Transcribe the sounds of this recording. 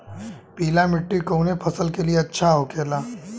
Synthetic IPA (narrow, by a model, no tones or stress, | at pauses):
piːlamɪʈːikoːnepʰɐsəlkelieɐtːʃʰaɦoːkeːlaː